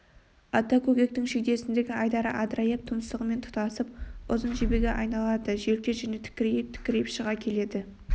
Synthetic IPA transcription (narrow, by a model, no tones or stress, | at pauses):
ɑt̪ːɑkʲʰɵɡʲe̞k̚t̪ɪŋʃekd̪e̞sɪnd̪e̞ɡʲɪɑjd̪ɑɾəʔɑd̪ɾɑjep̚t̪ʰʊməst̪əʁəme̞nt̪ʰʊ̥t̪ɑsəp̚ʊzənʒebe̞ɡʲeʔɑjnɑlˠɑd̪əʒe̞lkʲeʒæne̞t̪ʰɪ̥kʲːɪɾejp̚t̪ʰɪ̥kʲːɪɾejɪpʃəʁɑkʲʰe̞le̞d̪ɪ